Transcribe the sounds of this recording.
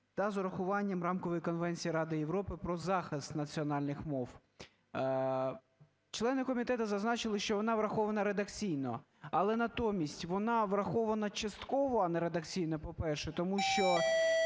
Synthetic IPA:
t̪ɐzʊɾɐxʊʋɑnʲːɐmrɑmkɔʋɔjkɔnʋɛnʲt͡sʲijiɾɑd̪ɪjeʋɾɔpɪpɾɔzɑxɪst̪nɐt͡sʲiɔnɑlʲnɪxmɔw | t͡ʃlˠɛnɪkɔmʲit̪ɛt̪ɐzɐznɑt͡ʃɪlˠɪʃt͡ʃɔʋɔnɑʋɾɐxɔʋɐnɐɾed̪ɐkt͡sʲijnɔ | ɐlˠɛnɐt̪ɔmʲisʲtʲʋɔnɑʋɾɐxɔʋɐnɐt͡ʃɐst̪kɔʋɔɐnɛɾed̪ɐkt͡sʲijnɔpɔpɛrʃɛt̪ɔmuʃt͡ʃɔ

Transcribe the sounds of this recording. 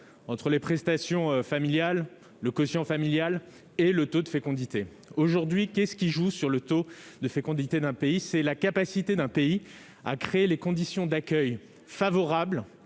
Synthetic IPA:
ɑ̃t̪χəlepχɛst̪asjɔ̃familjal | ləkɔsjɑ̃familjal | elət̪od̪əfekɔ̃d̪it̪e | oʒuʁd̪ɥikʲɛsə̥kʲiʒusyʁlət̪od̪əfekɔ̃d̪it̪ed̪ɛ̃peisɛlakapasit̪ed̪ɛ̃pei | a̰kχeelekɔ̃d̪isjɔ̃d̪akʲœj | favɔʁabl

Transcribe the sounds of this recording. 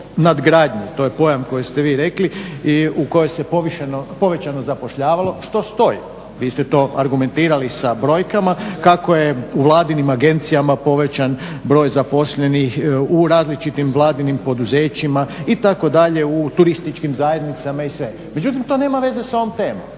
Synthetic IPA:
nad̪ɡɾaːd̪ɲut̪ojepo̞jamko̞jest̪e̞ʋiːɾe̞kliiuko̞jojsepoʋiʃenopo̞ʋe̞t͡ɕano̞zapo̞ʃʎaːʋalˠo̞ʃt̪o̞st̪o̞jḭ | ʋiːst̪et̪o̞ːʔaɾɡume̞nt̪iːɾalisabɾo̞ːjkamakako̞jeuʋlˠaːd̪inimaɡe̞nt̪sijamapo̞ʋe̞t͡ɕan | bɾo̞ːjzapo̞sʎenixuɾaːzlit͡ʃit̪imʋlˠaːd̪inimpo̞d̪uze̞ːt͡ɕimait̪ako̞d̪aʎe̞ut̪uɾist̪it͡ʃkimzaːje̞d̪nit̪samaisʋe̞ | me̞d͡ʑut̪imt̪o̞ne̞ːmaʋe̞zeso̞ʋomt̪e̞ːmom

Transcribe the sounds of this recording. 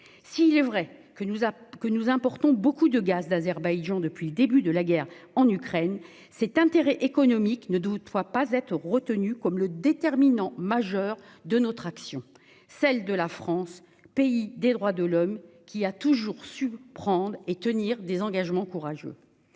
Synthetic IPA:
siːlɛvʁɛ | kənuzɛ̃pɔʁt̪ɔ̃bokud̪əɡazd̪azɛʁbajʒɑ̃d̪əpɥiləd̪ebyd̪əlaɡʲɛʁɑ̃nykχɛn | sɛt̪ɛ̃t̪eʁɛʔekɔnɔmiknəd̪wd̪wapazɛt̪χəʁət̪ənykɔmləd̪et̪ɛʁminɑ̃maʒœʁ | d̪ənɔt̪χaksjɔ̃ | sɛld̪əlafχɑ̃s | peid̪ed̪ʁwad̪əlɔmkʲiat̪uʒuʁsypχɑ̃d̪ʁet̪əniʁd̪ezɑ̃ɡaʒmɑ̃kuʁaʒø̰

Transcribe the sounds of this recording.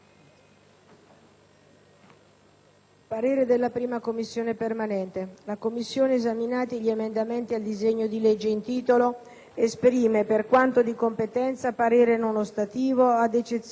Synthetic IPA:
paɾeːɾed̪elːapɾiːmakomːisːjoːnepermanɛnt̪elakomːisːjoːneːzaminaːt̪iʎiemend̪ament̪iald̪izeɲːod̪iled͡ʒːeint̪iːt̪olo | espɾiːmeperkwant̪od̪ikompet̪ɛnt̪sapaɾeːɾenonost̪at̪iːvoad̪et͡ʃet̪s

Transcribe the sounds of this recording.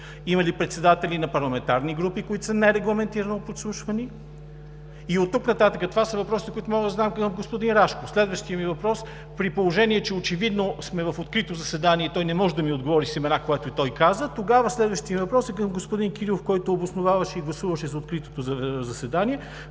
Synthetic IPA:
imɐlipɾɛt̪sɛd̪at̪ɛlinɐpɐɾlˠɐmɛnt̪aɾniɡɾupikoit̪ʊ̥sɐnɛɾɛɡlˠɐmɛnt̪iɾɐnopot̪slˠuʃvɐni | iot̪ːuknɐt̪at̪əkət̪ovasəvɐpɾɔsit̪kʊit̪omɔɡd̪ɐzamkəmɡospʊd̪inɾaʃkofslɛd̪vɐʃt̪ijəmivɐpɾɔs | pɾipolˠoʒɛniɛt͡ʃɛot͡ʃɛvid̪nosmɛvɐfot̪kɾit̪ozɐsɛd̪aniɛt̪ɔjnɛmɔʒɛd̪ɐmiod̪ɡovɔɾisɛmɛnakoɛt̪oit̪ɔjkazət̪oɡavəslɛd̪vəʃt̪ijəmivɐpɾɔsəkəmɡospʊd̪inkiɾilˠofkɔjt̪oːbosnʊvavəʃɛiɡlˠɐsuvəʃɛzɐot̪kɾit̪o̥t̪ozzɐsɛd̪aniɛ

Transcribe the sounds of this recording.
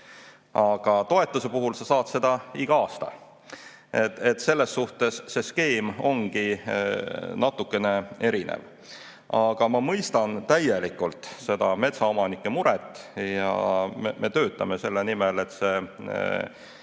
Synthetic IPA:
ɑɡ̥ɑt̪o̞e̞t̪ːˑuse̞puɦulsɑsɑːd̪̥se̞d̪̥ɑiɡ̥ɑɑːst̪ɑ̰ | et̪et̪ːse̞lːe̞sːuht̪e̞sːe̞ske̞ːmo̞ŋɡi | nɑt̪ːukːˑe̞ne̞e̞ɾinḛv | ɑɡ̥ɑmɑmɤjst̪ɑnt̪æjelikːˑult̪ˑse̞d̪̥ɑme̞t̪sɑo̞mɑnikːˑe̞muɾɛt̪ˑːjɑ̰memʔe̞t̪ø̞ːt̪ːˑɑmese̞lːenimele̞t̪se̞

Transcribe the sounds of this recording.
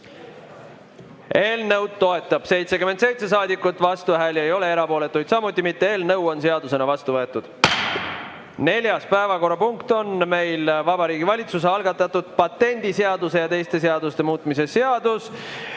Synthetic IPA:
e̞ːlnɤwd̪̥̚t̪o̞e̞t̪ːˑɑb̥se̞jt̪sekyme̞nt̪se̞jt̪se̞s̬ɑːd̪ikːˑut̪ːˑvɑst̪uvæɦelejo̞le̞e̞ɾɑpo̞ːle̞t̪ːˑujd̪sɑmut̪ːˑimit̪ːee̞ːlnɤwo̞nse̞ɑd̪use̞nɑvɑst̪uvɤe̞t̪ːˑud̪̥ | ne̞lʲjɑspæevɑko̞rːɑpuŋkt̪o̞nme̞jlvɑbɑɾiːɡivɑlʲit̪sus̬eɑlɡɑt̪ːˑɑt̪ːud̪̥̚pɑt̪ːe̞nʲd̪̥iseɑd̪use̞jɑt̪e̞jst̪e̞s̬eɑd̪ust̪e̞muːt̪ˑmise̞seɑd̪̥us

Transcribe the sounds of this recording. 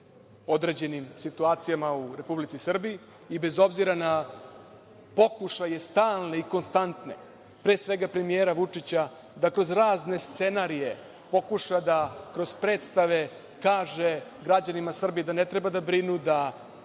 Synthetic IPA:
o̞d̪ɾe̞ːd͡ʑe̞nimsit̪uaːt̪sijamauɾe̞publit̪sisr̩biiː | be̞zo̞bziɾana | po̞kuʃaje̞st̪aːlˠneiko̞nst̪ant̪nḛ | pɾeːsʋe̞ɡapɾe̞mijeːɾaʋut͡ʂit͡ɕa | d̪akɾo̞zɾaːzne̞st̪se̞naɾije̞ | po̞kuʃad̪akɾo̞zpɾe̞ːt̪st̪aʋe̞ | kaːʒe̞ɡɾad͡ʑanimasr̩bijid̪ane̞t̪ɾe̞bad̪abɾinud̪a

